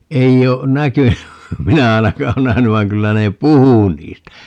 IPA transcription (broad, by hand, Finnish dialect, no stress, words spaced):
ei o nækyny minæ ɑinɑkɑː o næhæny ʋɑi̯ŋ kylːæ ne puhu niːstæ